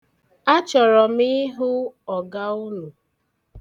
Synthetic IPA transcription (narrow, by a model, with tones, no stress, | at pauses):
a˦t͡ʃɔ˨ɾɔ˨mi˦ɦʊ˦ɔ˨ɡa˦u˦nu˨